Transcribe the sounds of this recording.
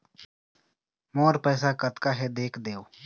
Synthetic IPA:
moːɾpɛːsakət̪kaɦɛd̪eːkʰd̪eːoː

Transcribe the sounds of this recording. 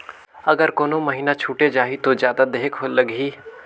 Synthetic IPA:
əɡəɾkoːnoməɦiːnat͡ʃʰuːʈed͡ʒaːɦit̪od͡ʒjaːd̪ad̪eːkɦoləɡiː

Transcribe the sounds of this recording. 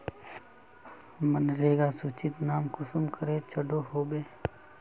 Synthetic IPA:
mənɾeːɡasut͡ʃɪt̪naːmkʊsʊmkəɾeːt͡ʃʰəɖʱohoːbeː

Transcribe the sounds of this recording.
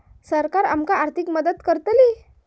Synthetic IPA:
səɾkaɾamkaaɾt̪ʰikməd̪əd̪kəɾt̪əli

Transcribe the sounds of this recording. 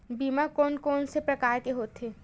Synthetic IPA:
biːmakoːnkɔːnsepɾɐkaːɾkeɦoːt̪eː

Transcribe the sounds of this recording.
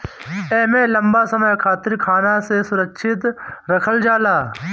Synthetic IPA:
eːmẽːlɐmbasɐməjkʰaːt̪ɪɾkʰaːnasesʊɾəkʃʰɪt̪ɾɐkʰəld͡ʒaːlaː

